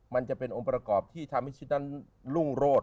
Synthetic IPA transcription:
ma˧nt͡ɕa˨˩ʔpe˧nʔo˧ŋpɾa˧kɔː˨˩p̚t̪ʰiː˥˩t̪ʰaː˧mi˦˥˩t͡ɕʰi˦˥t̪̚na˦˥˩n | lu˥˩ŋɾoː˥˩t̪̚

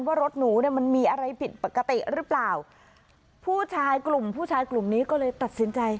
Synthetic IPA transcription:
nwaː˥˩ɾo˦˥t̪̚nuː˩˦ni˥˩əma˧nmiː˧ʔa˧ɾa˧jpʰi˨˩t̪̚pa˨˩kːa˧t̪i˨˩ʔɾɯː˦˥plaː˨˩w | pʰuː˥˩t͡ɕʰaː˧jklu˨˩mpʰuː˥˩t͡ɕʰaː˧jklu˨˩mniː˦˥kɔː˥˩lɤː˧jt̪a˨˩t̪̚si˨˩˦nt͡ɕa˧j

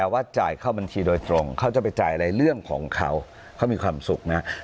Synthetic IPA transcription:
t̪ɛː˨˩waː˥˩t͡ɕaː˨˩jkʰa˥˩wba˧nt͡ɕʰiː˧doː˧jt̪ɾo˧ŋkʰa˦˥˩wt͡ɕa˨˩pa˧jt͡ɕaː˨˩jʔa˧ɾa˧jɾɯ˥˩əŋkʰɔ̰ː˩˦ŋkʰa̰˦˥w | kʰa˦˥wmiː˧kʰwaː˧msu˨˩k̚na˦˥

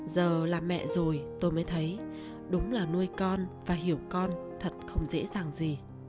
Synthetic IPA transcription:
zəː˨˩laː˨˩mɛ̰˧˨zo˨˩jt̪o˧jməː˨˦jt̪ʰə˨˦j | ɗʊ˨˦wŋ͡mlaː˨˩nu˧əjkɔ˧nvaː˨˩ɦi˧˩əwkɔ˧nt̪ʰə˨˩t̚xə˧wŋ͡mzḛ˧˥zaː˨˩ŋzi˨˩

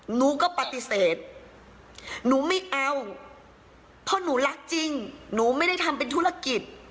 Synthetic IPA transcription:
nuː˩˦kɔː˥˩pa˨˩t̪i˧˦seː˨˩t̪̚ | nuː˩˦ma˥˩jʔa˧w | pʰɔː˦˥˩nuː˩˦la˦˥k̚t͡ɕi˧ŋnuː˩˦ma˥˩jda˥˩jt̪ʰa˧mp̬e˧nt̪ʰuː˥˩ɾa˧ki˨˩t̪̚

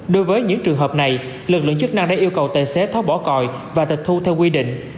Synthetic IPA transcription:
ɗo˨˦jvəː˨˦jɲɨ̰˧˥ŋt͡ɕɨ˨˩əŋɦəː˨˩p̚na˨˩j | lɨ˨˩k̚lɨ̰˧˨əŋt͡ɕɨ˦˥k̚na˧ŋɗaː˧˥ʔi˧əwkə˨˩wt̪e˨˩sɛ˨˦t̪ʰa˨˦wɓɔ˧˩kɔ̰˧˨j | vaː˨˩t̪ï˨˩k̚t̪ʰu˧t̪ʰɛ˧wkwi˧ɗḭ̈˧˨ŋ̟

